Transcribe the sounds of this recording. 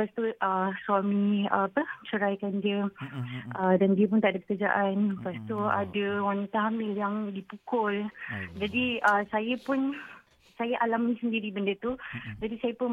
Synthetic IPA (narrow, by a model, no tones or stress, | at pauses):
past̪oʔəswamĩəapət͡ʃəɾajkand͡ʒiə | ʔədandiəp̬ʊnt̪aʔadəpəkəd͡ʒa̰ʔanpast̪oa̰dəwanit̪aɦamɪljaŋdipukʊld͡ʒadiəsajəpʊn | sajaʔalamisəndiɾibəndət̪ud͡ʒadisajəpʊn